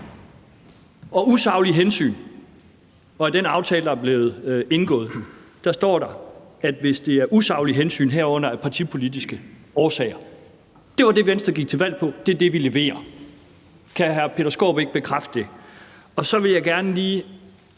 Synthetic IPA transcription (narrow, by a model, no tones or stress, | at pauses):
ʔɒ̽usɑ̈ʊliɦensy̰ːn | ɒ̽æd̥enɑ̈ʊt͡sʰɛːləd̥ɑ̈æɐb̥le̝ːð̞̩ˠe̝nɡ̥ɔ̰̽ːð̞̩ˠd̥ɑ̈sd̥ɒ̰ːɾ̥ɑ̈æd̥ʋe̝sd̥e̝æɐʔusɑ̈ʊliɦensy̰ːnɦeɐ̰ɔ̽n̰ɐæpʰɑ̈t͡sʰipʰo̝lidisɡ̥əɒːsɛ̰ːɪɐ | d̥e̝ʋɑ̈d̥e̝ʋensd̥ʁɐɡ̥iɡ̥̚t͡sʰe̝ʋæl̰pʰɒ̽d̥e̝ɐd̥e̝ʋile̝ʋe̝̰ːɐ | kʰæɦæɐpʰe̝ɾ̥ɐsɡ̥o̰ːb̥e̝ɡ̥̚b̥e̝kʰʁafd̥əd̥e̝ | ɒ̽sɒ̽ʋe̝ljɑɪɡ̥æɐnəliː